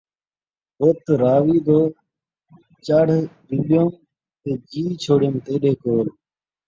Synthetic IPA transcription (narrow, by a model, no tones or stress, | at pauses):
boːt̪ɾaːʋiːd̪oː | t͡ʃəɽ̤ɗ̪uɓjõːm | t̪eːd͡ʒiːt͡ʃʰoːɽjõːmt̪eːɗeːkoːl